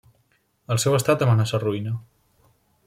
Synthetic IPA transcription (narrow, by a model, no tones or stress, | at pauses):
əlˠsɛwəst̪at̪əmanasəruinə